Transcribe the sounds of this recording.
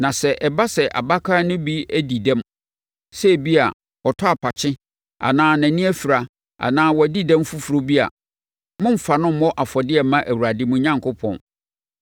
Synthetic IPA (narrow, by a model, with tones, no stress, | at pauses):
nã˨sɛ˨ʔɛ˨ba˦sɛ˨ʔa̰˨ba˦kʰa˦nʊ̃˦bi˦æ˦di˨dɛ̃˦m | sɛ˦˨bi˦a̰˨ | ɔ˨tʰɔ˦a˨pʰa˨t͡ɕʰɪ̃˦ | a̰˨nãː˦næ̃˨nĩ˦æ˦fi˨ɾa˨ | a̰˨nãː˦wɔ˨di˦dɛ̃˦mfu˦fu˨ɾo˦bi˦a̰˨ | mʊ̃˦m̩˨fa˨nʊ̃˦m̩˦ɔ˦ʔa˨fɔ˨dɪ˦ɛ˨mã˦ʔæ˨wu˨ɾa˨dɪ˦mũ˦ɲã˦ŋkʰʊ˦pʰɔ̰̃˨n